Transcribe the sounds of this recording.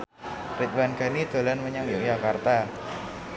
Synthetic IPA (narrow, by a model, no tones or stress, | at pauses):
rɪt͡ʃ̪̚wanɡ̥a̤nid̪̥o̤lanməɲaŋjojakart̪a